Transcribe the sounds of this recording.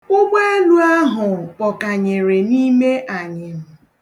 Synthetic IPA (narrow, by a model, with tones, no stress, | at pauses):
ʊ˦ɡ͡bʷe˦e˦lu˦a˦ɦʊ˨pɔ˨ka˨ɲe˨ɾe˨ni˦me˦ʔa˨ɲɪ˨m̩˨